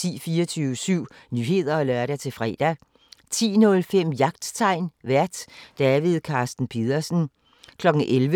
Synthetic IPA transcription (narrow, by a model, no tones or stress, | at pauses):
t͡sʰḭːfiːɒt͡sʰyːʊəsyʊ̰nyːɦe̝ð̞ˠɐɒ̽lɶɐɾæt͡sʰe̝fʁɛ̰ːd̥æ | t͡sʰḭːnɔ̽lfem̰jɑ̈ɡ̥d̥t͡sʰɑ̈ɪ̰nʋæɐ̰d̥ːæʋið̞ˠkʰɑ̈ːsd̥n̩pʰið̞ˠɐsn̩ | kʰlɒ̽ɡ̥ŋ̩ʔelʋə